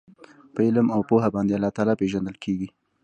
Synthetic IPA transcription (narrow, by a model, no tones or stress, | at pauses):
pəɪləmawpoɦabɑnd̪ealːɑt̪ɑlɑpeʒand̪əlkʰeɡi